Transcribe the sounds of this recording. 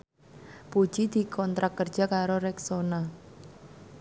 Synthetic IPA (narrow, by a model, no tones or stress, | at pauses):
pu̥ʒ̥id̪̥i̤kʰɔnt̪ɾakərd̥d͡ʒ̥a̤kaɾoɾɛksona